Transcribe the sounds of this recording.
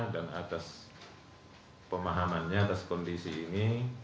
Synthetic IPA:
danat̪as | pəmaɦamanɲaːt̪askɔndisiːni

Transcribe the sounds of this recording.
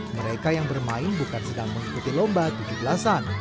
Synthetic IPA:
məɾekajaŋbərmaɪnbukansədaŋməŋikut̪ilombat̪ud͡ʒubəlasan

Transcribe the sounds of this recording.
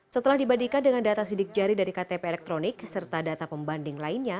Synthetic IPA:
sət̪əlahdibadikandəŋandat̪asidɪk̚d͡ʒaɾidaɾikat̪epeːlɛk̚t̪ɾonɪksərt̪adat̪apəmbandɪŋlainɲa

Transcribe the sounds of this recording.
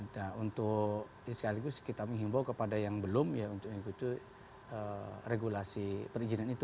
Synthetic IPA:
daunt̪ʊ | sə̥kaliɡʊskit̪aməŋɦimbawkəpadajaŋbəlʊmjaunt̪ʊkŋiɡut̪u | əreɡulasipəɾid͡ʒinanit̪u

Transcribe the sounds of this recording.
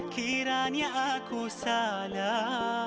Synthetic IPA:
kʰiɾaːnjɐʔakusaːla

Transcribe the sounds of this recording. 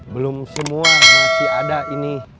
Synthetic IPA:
bəlʊmsəmuanaŋsiadaʔini

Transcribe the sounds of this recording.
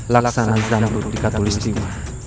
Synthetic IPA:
laksanazambut̪̚d̪ikat̪olist̪ika

